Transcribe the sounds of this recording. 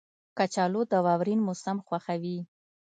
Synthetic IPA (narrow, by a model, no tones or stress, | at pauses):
kat͡ʃɑlod̪əwɑwɾinmʊsamxwaxawi